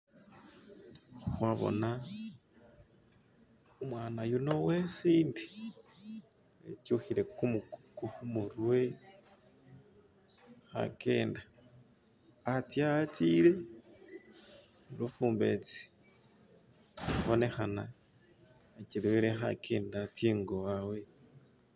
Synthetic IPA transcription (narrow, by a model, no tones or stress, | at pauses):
xxwaβo̞̰na | umwaːnajuno̞we̞siːndi̥ | ḛtjuxiɾe̞kukuxumuɾwe | xa̰ke̞ːnda | atjat͡siːɾe̞ | lufuːmbe̞̰t͡si̥ | βo̞ne̞xana | eciɾwiɾexa̰keːndatiːŋɡowawe̞